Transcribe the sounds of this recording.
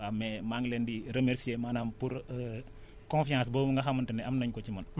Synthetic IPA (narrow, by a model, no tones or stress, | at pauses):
amɛmaŋlɛndiɾemeɾsiemanampuɾ | kɔ̃nfiãs̬bomuŋɡɐxamɐntɛnɛɐmnɐɲkɔt͡ʃimɐn